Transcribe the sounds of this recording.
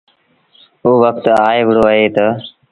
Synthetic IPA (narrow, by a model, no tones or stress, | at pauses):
uːʋək̚t̪aːeʋɽoːəɦeːt̪ə